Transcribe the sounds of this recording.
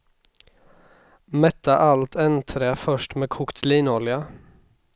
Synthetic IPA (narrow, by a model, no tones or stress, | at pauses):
mɛt̪ɑʔɑlt̪ʰɛnt̪ʰɾeːfœʃʈmeːkʰʊkt̪ʰliːnɔljɑ